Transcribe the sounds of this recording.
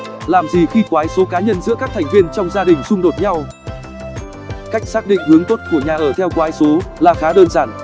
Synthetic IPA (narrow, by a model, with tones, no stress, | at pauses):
laː˨˩mzi˨˩xi˧kwaː˨˦jso˨˦kaː˨˦ɲə˧nzɨ̰˧˥əkaː˦˥k̚t̪ʰɛ˨˩ŋ̟vi˧ənt͡ɕɔ˧wŋ͡mzaː˧ɗï˨˩ŋ̟sʊ˧ŋ͡mɗo˨˩t̚ɲa˧w | ka˦˥jk̟̚saː˦˥k̚ɗḭ˧˨ŋ̟hɨ˨˦əŋt̪o˦˥t̚ku˧˩əɲaː˨˩ʔəː˧˩t̪ʰɛ˧wkwaː˨˦jso˨˦laː˨˩xaː˨˦ɗəː˧nzaː˧˩n